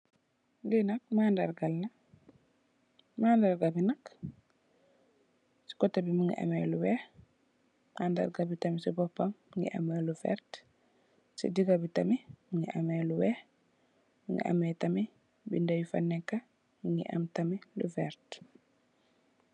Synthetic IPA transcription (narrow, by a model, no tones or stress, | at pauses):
dinak̚mandaɾɡalːa | mandaɾɡabinak | si̥kɔtːabimiŋɡḭʔa̰mɛluwɛh | manda̰ɾɡabitamisibɔpːammŋɡḭʔa̰mɛlufɛ̰ɾt | sḭdiɡabitamimiŋɡiʔamɛluwɛ | miŋɡḭʔa̰mɛtami | bindajifa̰nːɛkːa | miŋɡḭʔa̰mtamilṵfɛɾt